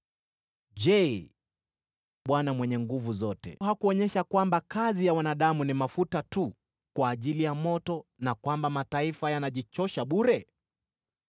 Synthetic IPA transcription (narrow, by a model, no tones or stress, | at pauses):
ʄɛ | ɓwanamwɛɲɛŋɡuvuzɔtɛ̰hakuɔɲɛʃakwambakazijawanaɗamunimafutatu | kwaːʄilijamɔtɔnakwambamataifajanaʄit͡ʃɔʃaɓuɾɛ